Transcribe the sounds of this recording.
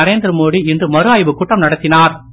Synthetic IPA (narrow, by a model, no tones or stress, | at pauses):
ɐɾeːnd̪ɾɯmoːɽiɪndrɯmɐɾɯaːjʋɯkʊʈːɐmnɐɽɐt̪ːɪnaːɾ